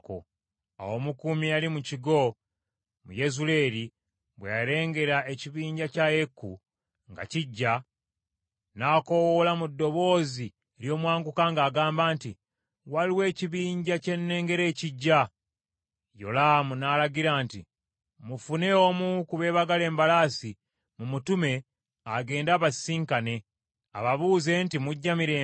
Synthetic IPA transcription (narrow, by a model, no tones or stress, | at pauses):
ko̰ | a̰wo̞mukumialimuciɡo̞ | mṵje̞zule̞ɾi | βwejaɾe̞ːŋɡe̞ɾae̞ciβiːɲɟacaje̞kːṵ | ŋɡa̰ciɟːa | naːko̞wolamudːo̞βo̞ːzi | eɾjo̞ːmwaːŋɡukaŋɡaːɡaːmbaːnti | waliwe̞ːciβiːɲɟace̞nːe̞ːŋɡe̞ɾe̞ːciɟːa | jo̞̰lamunaːlaɟiɾaːntḭ | mufune̞omukuβe̞ːβaɡale̞ːmbalaːsi | mumutume̞ | aɡe̞ːndaːβasiːŋkane̞ | a̰βaβuːze̞ntimuɟːamiɾe